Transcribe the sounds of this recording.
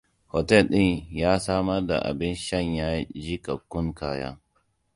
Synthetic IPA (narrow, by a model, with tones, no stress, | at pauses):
hɔ˨tɛ˦˨lɗɪ˦ɲjaː˦saː˦mɐ˦rda̰˨ʔa̰˨bɪ˦nʃɐ˦˨ɲjaː˦d͡ʒi˦ka˨kʊ˦ŋkaː˨ja̰˦